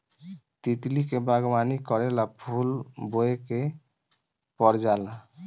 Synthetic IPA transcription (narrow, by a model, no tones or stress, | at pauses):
t̪it̪likebaɡɔbanikɔɾɛlapʰulboeke | pɔɾd͡ʒala